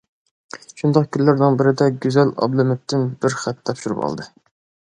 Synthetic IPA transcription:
ʃund̪ɑqkʲʰynllːɪɾnɪŋbɪɾɪd̪ɛɡʲøzɛlɑ̰blˠɪmɪt̪ʰːɪnbɪɾχæt̪ːʰɑpʃuɾupɑ̰lˠd̪ɨ

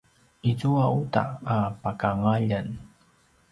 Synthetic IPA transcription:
izuauta̰ːpakaŋaʎan

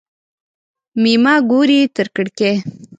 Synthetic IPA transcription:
mimɑɡuɾit̪əɾkəɽke

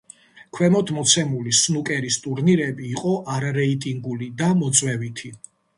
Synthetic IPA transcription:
kʰwɛmɔt̪ʰmɔt̪sʰɛmulisnukʼɛɾist̪ʼuɾniɾɛbiːqʼɔʔaɾaɾɛit̪ʼiŋɡulid̪amɔt̪sʼwɛvit̪ʰi

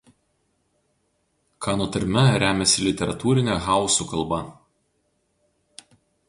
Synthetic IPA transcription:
kʰɑːnoːt̪ɐɾʲmʲɛɾʲæːmʲɛsʲɪlʲɪt̪ʲɛɾɐt̪uːɾʲɪnʲɛɣɑˑʊsukɐlˠbɐ

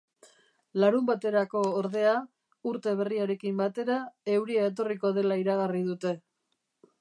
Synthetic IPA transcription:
laɾumbat̪e̞ɾako̞ːɾðe̞a | uɾt̪e̞β̞e̞riaɾe̞kimbat̪e̞ɾae̞wɾiaet̪̬o̞riko̞ð̞e̞laiɾaɣarið̞ut̪e̞

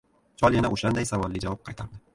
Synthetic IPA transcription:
t͡ʃʰɒlˠjanaʔoʃand̪ajsavɒlːɪd͡ʒavɒp̚qʰɑjt̪ʰaɾd̪ɪ

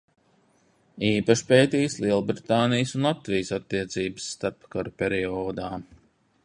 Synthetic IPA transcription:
iːpaʃpeːt̪ijslˠiɛlˠbɾit̪aːnijsunlˠat̪vijəsat̪ːiɛt̪siːbəsːt̪aɾpkaɾpʲɛɾiɔːd̪aː

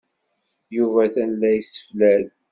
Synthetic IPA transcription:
juvæθænlːæjsə̥flæl

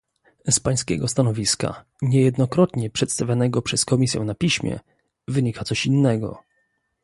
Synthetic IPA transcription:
spaj̃skʲɛ̰ɡɔst̪anɔvʲiska̰ | ɲɛjɛd̪nɔkɾɔt̪ɲɛpʂɛt̪st̪avʲjanɛɡɔpʂɛskɔmʲisʲjɛ̰̃napʲiɕmʲjɛ̰ | vɘɲikat̪sɔɕinːɛɡɔ̰

